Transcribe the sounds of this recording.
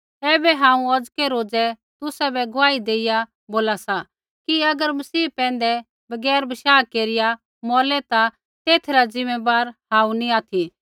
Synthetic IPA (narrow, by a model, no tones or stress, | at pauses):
ɛːbɛɦãːũɐd͡zkɛɾoːd͡zɛ | t̪ʊsabɛɡʊʋaːid̪eːɪja | boːlasa | kiɐɡəɾmɐsiːpɛ̃ːn̆d̪ɛ | bɐɡɛːɾbʱɐʃaːkeːɾɪja | mɔːlɛt̪a | t̪eːt̪ʰɾad͡zɪmebaːɾhaːũniaːt̪ʰi